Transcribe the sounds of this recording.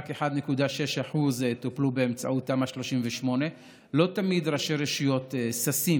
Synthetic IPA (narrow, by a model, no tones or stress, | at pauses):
ke̞ħad̪ne̞kud̪aʃe̞ʃaħuzt̪oplubeemt͡sa̰ʔut̪ːamaʃlo̞ʃimveʃmo̞ne̞ | lo̞t̪amid̪ɾaʃeɾeʃujo̞t̪sasim